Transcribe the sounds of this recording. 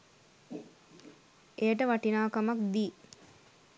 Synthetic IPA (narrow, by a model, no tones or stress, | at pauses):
ʔejəʈəʋaʈinaːkɐmɐk̚d̪iː